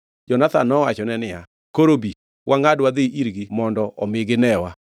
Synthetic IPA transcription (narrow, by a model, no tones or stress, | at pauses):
d͡ʒɔnat̪anːɔwat͡ʃɔnɛnɪja | koɾobi | wʔaŋadwad̪ɪʔiɾɡimɔndɔʔɔmɪɡɪnɛwa